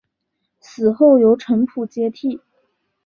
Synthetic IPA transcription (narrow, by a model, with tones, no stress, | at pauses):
sɹ̩˨˩xo˥˩ʊjo˧˥ʊʈ͡ʂʰɤ˧˥ŋpʰu˨˩t͡ɕjɛ˥t̪ʰi˥˩